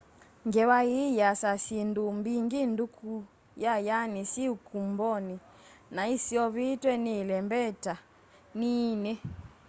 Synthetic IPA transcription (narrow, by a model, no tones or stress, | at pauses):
ŋɡɛwajijasasindumbiŋɡinduku | jajanisiukumbɔni | naisiɔβitwɛnilɛmbɛta | ninɛ